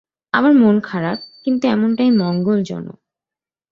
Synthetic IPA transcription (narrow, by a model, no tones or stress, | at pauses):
a̰baɾmonkʰaɾap̚kint̪uɛmonʈajmɔŋɡold͡ʑɔ̰no̰